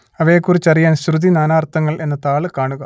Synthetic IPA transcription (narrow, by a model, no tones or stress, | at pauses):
ɐʋɐjːkːurit͡ɕːɐrijaːnɕrɨd̪inaːnaːrt̪ːɐŋːɐɭe̞nːɐt̪aːɭɨkaːɳuɣɐ